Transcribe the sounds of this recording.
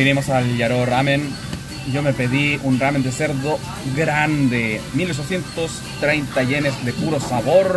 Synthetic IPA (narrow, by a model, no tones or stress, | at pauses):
iɾimo̞salʎaɾoramẽn | ɟ͡ʝo̞me̞pe̞ðiunrame̞nd̪ese̞ɾðo | ɡɾand̪emilot͡ʃosθje̞nt̪os | t̪ɾe̞jnt̪aʝenezðe̞puɾosaβoɾ